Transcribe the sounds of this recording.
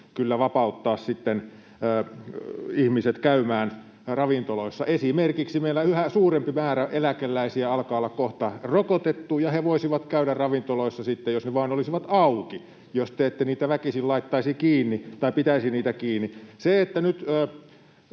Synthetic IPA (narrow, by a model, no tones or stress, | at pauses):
kylːæʋɑpɑut̪ːɑːssit̪ːen | əː | ihmiset̪kæymæːn | rɑʋint̪oloisːɑʔesimerkiksimeilːæyhæsuːrempimæːɾæʔelækelːæisiæɑlkɑːolːɑkkoht̪ɑrokot̪et̪ːuːjɑheʋoˑisiʋɑt̪kæyɾærrɑʋint̪oloisːɑsit̪ːejosneʋɑːnolisiʋɑt̪ɑuki | jost̪eet̪ːæniːt̪æʋækisillɑit̪ːɑisikiːnːit̪ɑipit̪æisiniːt̪ækiːnːiseet̪ːænyt̪ː